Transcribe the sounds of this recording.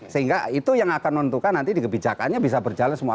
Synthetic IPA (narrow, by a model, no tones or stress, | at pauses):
səɦiŋɡait̪ujaŋakanmənt̪ukanːant̪idikəbid͡ʒaka̰nɲabis̬abərd͡ʒalansəmua